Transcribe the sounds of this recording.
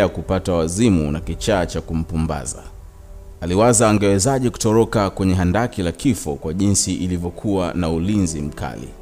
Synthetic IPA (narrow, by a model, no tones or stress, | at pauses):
jakupatawazimṵnakit͡ʃaːt͡ʃakum̩pumba̰za̰ | aliwazaːŋɡɛwɛzaʄɛku̥tɔɾɔkakwɛɲɛɦandakilakifɔkwaʄinsiʔilivjɔkʰuwanaulinzim̩ka̰lḭ